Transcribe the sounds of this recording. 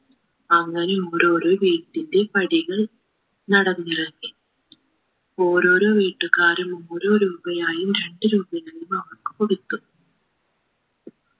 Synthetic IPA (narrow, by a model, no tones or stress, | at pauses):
ɐŋːɐneoːɾo̞ːɾoːʋiːʈːinde̞pɐɽiɣɐɭ | nɐɽɐnːirɐŋɡi | o̞ːɾo̞ːɾo̞ːʋiːʈːɨkaːɾumuːɾo̞ːɾuːbɐjaːjumɾe̞ɳɖɨɾuːbɐjɐjumɐʋɐrkɨ̥poɽit̪ːu